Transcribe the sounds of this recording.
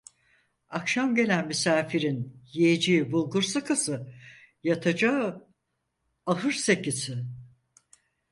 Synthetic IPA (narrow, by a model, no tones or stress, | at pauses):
akʃamɟe̞lʲænmysaːfiɾinjied͡ʒibulˠɡuɾsɯkʰasɯ | jat̪ʰad͡ʒa | aɦɯɾse̞cisɪ